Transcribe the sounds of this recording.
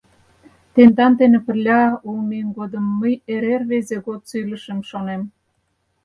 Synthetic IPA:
t̪end̪ɑnd̪enĕpə̆rlʲɑulminɡod̪ə̆mːəjeɾerβezeɣot̪sylə̆ʃə̆mʃonem

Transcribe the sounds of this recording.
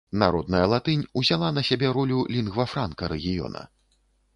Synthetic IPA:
naɾɔd̪nɐjɐlˠat̪ɨnʲuzʲalˠanɐsʲabʲɛɾɔlʲulʲinɣvɐfɾankɐɾɛɣʲijɔ̰nɐ̰

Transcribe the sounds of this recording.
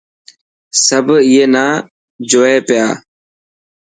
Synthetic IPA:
səbʱiːeːnaː | d͡ʒoːeːpɪjaː

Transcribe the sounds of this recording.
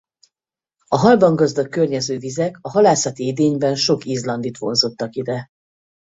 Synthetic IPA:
ɒɦɒlbɒŋɡɒzd̪ɒkːørɲɛzøːvizɛkɒɦɒlaːsɒt̪iid̪eːɲbɛnʃo̞kiːzlɒnd̪it̪ʋo̞̰nzot̪ːɒkid̪ɛ

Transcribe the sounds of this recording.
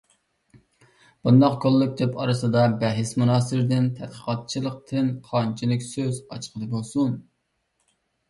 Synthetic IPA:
b̥und̪ɑqkʰolˠːɨk̚ʲd̪ɛpʰɑ̰ɾɨsɨd̪ɑbɛɦɪsmunɑːsɪɾɪd̪ɪnt̪ʰɛd̪̥̚qʰə̥qɑt̪̚t͡ʃʰilˠəq̚t̪ʰɨnqʰɑnt͡ʃʰilˠɪkʲsøzɑt͡ʃqʰəlˠɨbolˠsun

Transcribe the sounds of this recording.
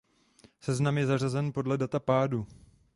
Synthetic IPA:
sɛznamjɛzar̝azɛnpo̞dlɛdat̪apaːdu

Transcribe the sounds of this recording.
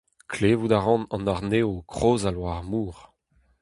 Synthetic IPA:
kʰleːvud̪aʁɑ̃nɑ̃naʁneːokχoːzalwaʁmuːʁ

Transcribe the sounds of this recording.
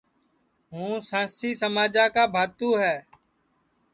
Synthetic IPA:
ɦũːsãːsiːsəmaːd͡ʒaːkaːbʱaːt̪ũːɦɛː

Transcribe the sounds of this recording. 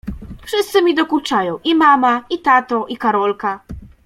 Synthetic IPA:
fʂɘst̪sɘmʲid̪ɔkut͡ʂajɔ̃w̃ʔimamait̪at̪ɔʔikaɾɔlka

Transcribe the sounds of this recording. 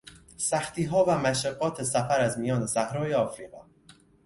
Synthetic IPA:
sæxt̪ʰiːɦɒːvæmæʃæɡːɒːt̪ʰe̞sæfæɾæzmijɒːne̞sæhɾɒːjeɒːfɾiːɣɒː

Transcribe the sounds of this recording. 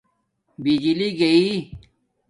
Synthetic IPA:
bid͡ʑiliɡɐi

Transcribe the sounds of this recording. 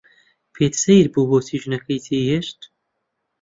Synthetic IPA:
pʰeːt̪sejɾbuːboːt̪ʰiːʒɨnɐkʰɐjt̪ʰeheʃt̪

